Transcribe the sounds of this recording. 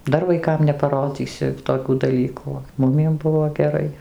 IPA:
ˈdɐr ʋɐɪˈkɐm nʲɛpɐˈroːd͡zʲiːsʲɪ toːˈkʲuː dɐˈlʲiːkuː oː ˈmʊmʲiɛm ˈbʊʋoː ɡʲɛˈrɐɪ

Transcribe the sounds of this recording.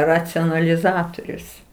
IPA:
rɐt͡sʲoːnɐlʲɪˈzɑːtoːrʲʊs

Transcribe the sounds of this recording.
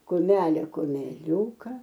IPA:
kʊˈmʲæːlʲeː kʊmʲɛˈlʲuːkɐ

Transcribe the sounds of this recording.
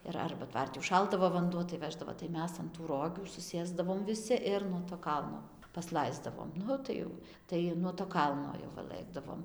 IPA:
ɪr ˈɐrbɐ ˈtʋɐrʲtʲɪ ʊʃˈʃɐlˠdɐʋoː ʋɐnˈduɔ tɐɪ ˈʋʲæːʒdɐʋoː tɐɪ ˈmʲɛs ɐn ˈroːɡʲuː sʊˈsʲeːzdɐʋoːm ʋʲɪˈsʲɪ ˈɪr nuɔ toː ˈkɐlˠnoː pɐsˈlˠɐɪzdɐʋoːm ˈnʊ tɐɪ jɛʊ ˈtɐɪ nuɔ toː ˈkɐlˠnoː jɛʊ ˈʋɐ ˈlˠɘɡdɐʋoːm

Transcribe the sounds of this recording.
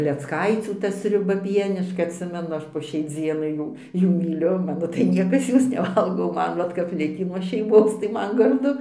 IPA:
klʲɛt͡sˈkɐɪt͡sʲuː ˈtɐ sʲrʲʊˈbɐ ˈpʲiɛnʲɪʃkɐ ɐtʲˈsʲɪmʲɛnʊ ˈɐʃ poː ʃʲɛɪ ˈd͡zʲiɛnɐɪ ˈjuː ˈjuː mʲiːˈlʲʊ ˈmɑːnoː tɐɪ ˈnʲiɛkɐs ˈjoːs nʲɛˈʋɐlˠɡoː oː ˈmɐn ˈʋɐt kɐp ˈlʲɪkʲiː nuɔ ʃʲɛɪˈmoːs tɐɪ ˈmɐn ɡɐrˈdʊ

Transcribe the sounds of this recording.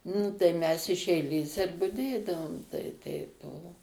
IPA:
nʊ tɐɪ mʲɛs ɪʃ ɛɪˈlʲeːs ɪr bʊˈdʲeːdɐʋoːm tɐɪ ˈtʲɛɪp ˈbʊʋoː

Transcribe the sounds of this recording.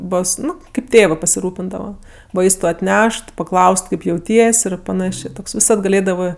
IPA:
ˈboːs ˈnʊ kɐɪp ˈtʲeːʋɜ pɐsʲɪˈruːpʲɪndɐʋɐ ˈʋɐɪstʊ ɐtʲˈnʲɛʃt pɐˈklˠɐʊst ˈkɐɪp jɛʊˈtʲiɛsʲ ɪr pɐˈnɑːʃʲeː ˈtoːks ʋʲɪˈsɐt ɡɐˈlʲeːdɐʋɜ

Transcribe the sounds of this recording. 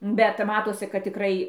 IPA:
bʲɛt ˈmɑːtoːsʲɪ kɐt tʲɪˈkrɐɪ

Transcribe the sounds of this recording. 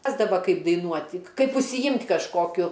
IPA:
ˈrɑːzdɐʋɐ ˈkɐɪp dɐɪˈnuɔtʲɪ ˈkɐɪp ʊʃʲsʲɪˈjɪmʲtʲ kɐʃˈkoːkʲʊ

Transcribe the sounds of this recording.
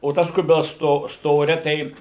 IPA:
oː ˈtɐs ˈkʊbʲɪlˠs ˈstoː ˈstoːrʲɛ ˈtʲɛɪ

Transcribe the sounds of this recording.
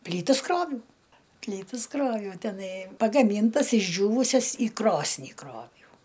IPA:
ˈpʲlʲiːtɐs ˈkroːʋʲɛʊ ˈpʲlʲiːtɐs ˈkroːʋʲɛʊ tʲɛˈnɐɪ pɐɡɐˈmʲiːntɐs ɪʒʲˈd͡ʒʲuːʋʊsʲɛs iː ˈkroːsʲnʲiː ˈkroːʋʲɛʊ

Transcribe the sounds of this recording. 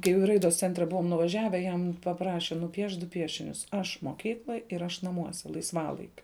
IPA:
kɐɪ jɛʊ ɪ ˈrɐɪdoːs ˈt͡sʲɛnʲtʲrʲɛ ˈbʊʋoːm nʊʋɐˈʒʲæːʋʲɛ jɛm pɐˈprɑːʃʲɛ nʊˈpʲiɛʃt dʊ ˈpʲiɛʃʲɪnʲʊs ˈɐʃ moːˈkʲiːklˠoːj ˈɪr ˈɐʃ nɐˈmuɔsʲɛ lˠɐɪsˈʋɑːlˠɐɪkʲʊ

